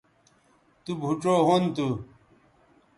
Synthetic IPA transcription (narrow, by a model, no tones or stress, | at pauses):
t̪ubʱuʈ͡ʂoɦont̪u